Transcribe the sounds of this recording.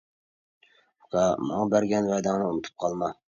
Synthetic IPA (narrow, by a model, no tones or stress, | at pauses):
qʰɑmɑŋɑbæɾɡʲɛnvæjd̪ɑŋnɪunɨt̪ʰɨ̥p̚qʰɑlˠmɑ